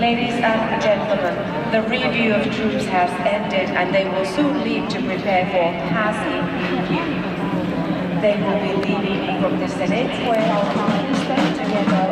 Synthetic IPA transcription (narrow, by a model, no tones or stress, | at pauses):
leɪɾizə̃nəd͡ʒɛ̃ntʰˡl̩ˠmə̃n | ðəɹivjʉːəv̥tʰɹ̥ʉˑpshɛlθɛ̃ndɪdə̰̃nðeɪwɪlˠsũːnliːv̥tʰɨpʰɹ̥ɨpʰɛːfə̃˞pʰazĩ | ĩ | vjʉ | ðeɪwɪlˠbilivĩŋvəbɹʊk̚ðəsɛnɪtwəanəsẽɪtʰɨɡɛðə